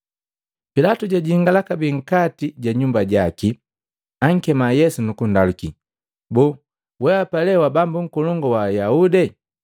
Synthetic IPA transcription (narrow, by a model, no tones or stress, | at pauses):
pilatuɟaɟiŋɡalakabiŋ̩katiɟaɲumbaɟaki | aŋ̩kɛmajɛsunukundaluki | bɔː | wɛapalɛwabambuŋ̩kɔlɔŋɡɔwajaudɛ